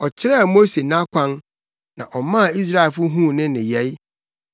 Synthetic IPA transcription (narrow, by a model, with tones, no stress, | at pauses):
ɔ˨t͡ɕʰɪ˦ɾɛ˦a˨mo˦se˨nã˦kʷʰã˦n | nã̰˨ʔɔ˨mã˦˨i˦s̬ɾa˦ɛ˨lfʊ˦ɦũ˦˨nɪ̃˦nɪ̃˨jɛ˨˦j